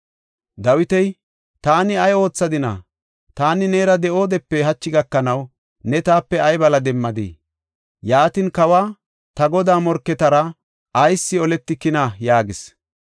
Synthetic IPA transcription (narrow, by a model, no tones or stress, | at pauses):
d̪ɐwɪt̪ɛj | t̪aːnɪɐjo̞ːt͡sːɐd̪ɪna̰ | t̪aːnɪneːɾɐd̪ɛʔo̞ːd̪ɛpːɛɦɐt͡ʃːɪɡɐkːɐnɐw | nɛt̪aːpːɛɐjbɐlɐd̪ɛmːɐd̪ḭ | jaːt̪ɪnkɐwaː | t̪ɐɡɔd̪aːmɔɾkːɛt̪ɐɾɐ | ɐjsːɪɔlɛt̪ːɪkɪnɐjaːɡɪs